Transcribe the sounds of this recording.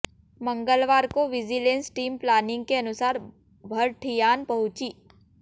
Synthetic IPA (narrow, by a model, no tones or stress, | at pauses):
mə̃ŋɡəlʋaːɾkoʋɪd͡ʒilẽːnsʈiːmplaːnɪ̃ŋɡ̚keɐnʊsaːɾ | bʱɐɾʈʰijaːnpɐɦʊ̃t͡ʃiː